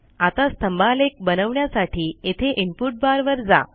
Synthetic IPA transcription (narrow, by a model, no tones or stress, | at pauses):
at̪ast̪əmbʱalek̚bənəʋɳjasaʈiːet̪ʰeʔimpuʈ̚baɾʋəɾd͡za̰